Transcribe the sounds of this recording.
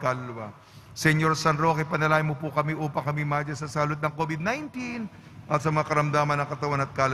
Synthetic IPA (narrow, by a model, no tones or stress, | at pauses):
kalwɐ | sɛɲoɾsɐnɾo̞kɐjpɐnɐlaːhɪmopʊkɐmiʔuːpɐŋkɐmimad͡ʒɐsɐsaːlot̪̚nɐŋkoːbɪd̪̚najnt̪in | ʔɐt̪sɐmɐŋakɐɾɐmd̪aːmɐnɐŋkɐt̪ɐwanɐt̪̚kal